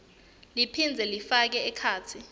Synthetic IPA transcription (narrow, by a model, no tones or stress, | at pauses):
lipʰind͡zʱɛlifak̬ɛːkʰaːt͡sʰi